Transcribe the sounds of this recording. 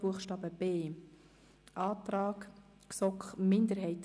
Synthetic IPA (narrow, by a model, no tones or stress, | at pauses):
b̥uəχʃtɑːbəb̥eː | ʔɑːtɾɑːk | sɔkχmɪnd̪əɾɦɛɪt